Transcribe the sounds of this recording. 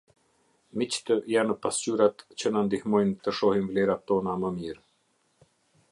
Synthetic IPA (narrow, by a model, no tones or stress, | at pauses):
mit͡ɕt̪əjanəpast͡ɕyɾat̪t͡ɕənand̪ihmɔjnt̪əʃɔhinvlɛɾat̪ːɔnaməmiɾ